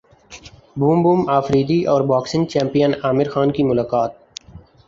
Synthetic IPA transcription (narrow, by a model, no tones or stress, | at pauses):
buːmbuːmaːfɾiːd̪iʔɔːɾbaːksɪ̃ŋt͡ʃɛ̃ːmpijənaːmɪɾxaːnkimʊlaːkaːt̪̚